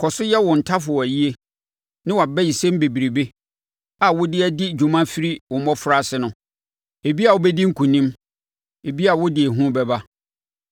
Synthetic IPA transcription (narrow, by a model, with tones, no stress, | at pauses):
kʰɔ˨sʊ˦jɛ˦wʊ̃˨n̩˨tʰa˦fʊ˨ɔ˨æ˨ji˦e˦ | nɪ̃˦wa˨bɛ˦ji˨sɛ̃˦m˦be˨bi˨ɾi˨be˦ | a˨wʊ˦dɪ˦ɛ˦dɪ˦d͡ʑu˨mã˦fi˦ɾi˦wʊ˨˦mɔ̃˦fʊ˨ɾa˦sɪ˨˦nʊ̃˨ | e˨bi˦a˨wʊ˦bɛ˦dĩ˦ŋ̩˦kʰũ˨nĩ˦m | e˨bi˦a˨wʊ˦dɪ˨e˨ɦũ˦bɛ˦ba˦